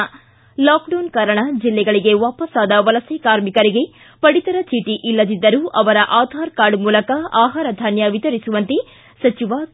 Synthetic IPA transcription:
laːkɖɐwnkaːɾɐɳɐd͡ʒilːɛɡɐɭiɡe̞ʋaːpɐsaːd̪ɐʋɐlɐsekaːɾmikɐɾiɡe̞ | pɐɽit̪ɐɾɐt͡ʃiːʈiʔilːɐd̪id̪ːɐɾuʔɐʋɐɾɐʔaːd̪ʱaːɾkaːɾɖmuːlɐkɐaːɦaːɾɐd̪ʱɐnjɐʋit̪ɐɾisuʋɐnt̪i | sɐt͡ʃiʋaː

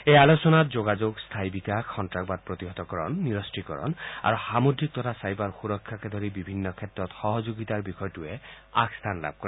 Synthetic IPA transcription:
ealosɔnat̪d͡ʒoɡad͡ʒoɡst̪ʰajbikakʰːɔnʈɾak̚bad̪̚pɾɔt̪iɦɔt̪ɔkɔɾɔnːiɾɔsʈikɔɾɔ̰na̰ɾusamod̪ɾik̚t̪ɔɾʰasajbaɾxuɾɔkʰːaked̪ʱɔɾibibʱinːɔkʰet̪ɾɔt̪xɔɦɔd͡ʒoɡit̪aɾbikʰɔjɔʈue | a̰ɡst̪ʰanla̰b̚ʱkɔɾ

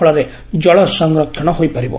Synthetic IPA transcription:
ɭaɾe | d͡ʒɔɭɔsəŋɡɾɔkʰjɔɽ̃ɔɦoːipɐɾibo̰

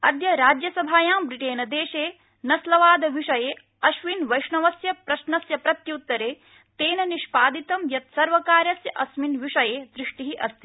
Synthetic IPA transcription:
ɐd̪ʱjɐɾaːd͡ʒjɐsɐbʱaːjãːmbɾiʈeːnɐd̪eːʃeː | nɐslɐʋaːd̪ɐʋiʂɐjeː | ɐʃʋinʋɐjʂɳɐʋɐsjɐpɾɐʃnɐsjɐpɾɐt̪juːt̪ːɐɾeː | t̪eːnɐniʃpaːd̪it̪ɐmjɐt̪̚sɐɾʋɐkaːɾjɐsjɐʔɐsminʋiʂɐjeːd̪ɾiʂʈiɦiʔɐst̪ʰi̥

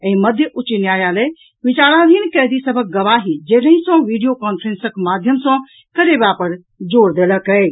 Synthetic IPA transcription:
əĩməd̪ʱjəʔut͡ʃinjajale | ʋit͡ʃaːɾãd̪ʱinkɛɦd̪isəbʱək̚ɡəʋaɦid͡ʒeləɦĩsɔ̃ʋiɖijokɔnpʰɾensəkmad̪ʱjəmsɔ̃ | kəɾebapəɾ | d͡ʒoːɾd̪eləkə

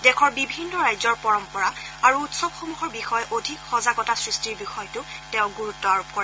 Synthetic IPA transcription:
dɛkʰɔɹbibʱinːɔɹajzɔɹpɔɹɔmpɔɹa | aɹuutsɔbxomuɦɔɹbixɔjɔʔodʱikxɔzaɡɔtasɹistiɹbixɔjɔtʊtẽʊ̃ɡuɹutːɔaɹpkɔɹɛ

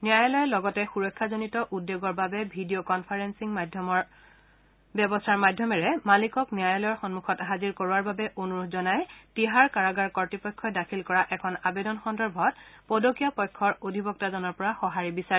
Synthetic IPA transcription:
niajɔlɔjɛlɔɡɔtɛxuɹɔkʰːazonitɔʔudːeɡɔɹbabɛbʱidiokɔnpʰaɹensiŋmdʱmɔ | bɔbɔstʰaɹmadʱjɔmɛɹɛmalikɔknijajɔlɔjɔɹxɔnmukʰɔtɦaziɹkoɹwaɹbabɛʔonuɹuzɔnajtiɦaɹkaɹaɡaɹkɔɹtipɔjkʰːɔjdakʰilkɔɹaʔɛkʰɔnabedɔnxɔndɔɹbʱɔt̚podokijapɔjkʰːɔɹodʱibɔk̚tazɔnɔɹpɔɹaxɔɦaɹibisaɹɛ

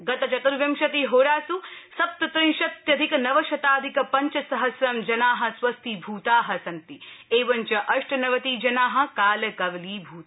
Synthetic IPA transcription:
ɡɐt̪ɐt͡ʃɐt̪ɐɾʋjɐmʃɐt̪iɦoːɾaːsusɐp̚t̪ɐt̪ɾĩŋʃɐt̪jɐd̪ʱikɐnɐʋɐʃɐt̪aːd̪ʱikɐpɐɲt͡ʃɐsɐɦɐsɾɐmd͡ʒɐnaːɦɐ̆sʋɐst̪ʰibʱuːt̪aːɦɐ̆sɐnt̪ieːʋɐɲt͡ʃɐʔɐʂʈʰɐnɐʋɐt̪iːd͡ʒɐnaːɦɐ̆kaːlɐkɐʋɐliːbʱuːt̪ː

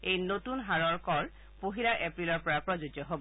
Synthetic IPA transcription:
ejnotunɦaɹɔɹkɔl | poɦilaʔepɹilɔɹpɔɹapɹɔzod͡ʒɔɦobɔ

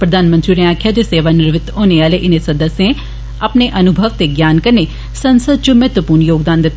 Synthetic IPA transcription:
pɾɐd̪ʱaːnmə̃nt̪ɾiɾeaːkʰjad͡ʒ̪eseːʋanɪɾʋɪt̪ɦoːneaːleʔɪnesɐd̪əsːjẽ | ɐpneʔɐnʊbʱəʋt̪eɡjaːnkɐɾne | sɐnsəd̪̚t͡ʃumɛːt̪ʋəpuːɾnjoːɡd̪aːnd̪ɪt̪ː

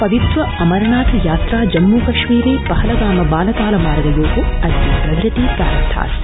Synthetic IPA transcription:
pɐʋit̪ʋɐɐmɐɾɐnaːt̪ʰɐjaːt̪ɾaːd͡ʒɐmːuːkɐʃʋiːɾeːpɐɦɐlɐɡaːmɐbaːlɐk̪aːlɐmaːɾɐd̪ɐjoːkuɐd̪ipɾɐʋɾɐt̪iːkaːɾɐt̪ʰa̰ːs

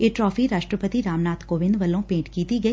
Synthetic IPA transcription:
eːʈɾɔːfʰiɾaːʃʈɾəpət̪iɾaːmnaːt̪koːʋɪ̃nd̪ʋɐlõpẽːʈkiːt̪iɡɐiː

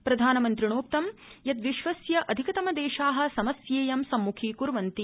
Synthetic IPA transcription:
pɾɐd̪ʱaːnɐmɐnt̪ɾiɳoːp̚t̪ɐmjɐt̪ʋiʃʋɐsjɐʔɐd̪ʱikɐt̪ɐmɐd̪eːʃaːɦɐ̆sɐmɐsjeːjɐmsɐmːukʰiːkuɾʋɐnt̪i

